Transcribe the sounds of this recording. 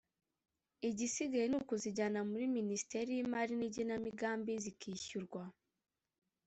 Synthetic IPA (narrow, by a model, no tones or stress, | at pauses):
iɟisiɡajenukuziɟanamuɾiminisi̥teɾijimaɾiniɟinamiɡaːmbizikʰiːçuɾɡwa